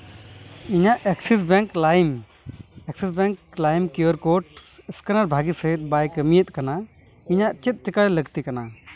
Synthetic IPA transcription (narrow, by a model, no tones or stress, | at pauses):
iɲaʔɛksis̬bɛ̃ŋklaim | ɛksisbɛŋklajmkjuəɾkoʈəskənəɾbʱaɡisəɦit̪̚bajkəmijət̪̚ˀkana | iɲaʔt͡ʃit̪̚t͡ʃəkaɽləɡt̪ikɐna